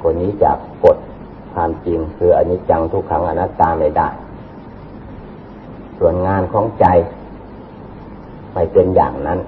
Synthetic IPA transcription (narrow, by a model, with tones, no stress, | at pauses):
kɔː˧˩miː˧˥˨t͡ɕa̰ː˨˩k̚ | ko˧˩t̪̚ | kʰaː˧˨mt͡ɕi˧ŋkʰɯː˧ʔa˧˩ɲiː˧˥t͡ɕa˧ŋt̪ʰu˧˥kʰːa˧˥ŋʔa˧na˧˥t̪aː˧ma˧˩jda̰ː˧˩j | su˨˩ənŋaː˧˨nkʰɔː˧˥ŋt͡ɕa˧j | ma˧˩jpe˧nja̰ː˨˩ŋna˧˥˨n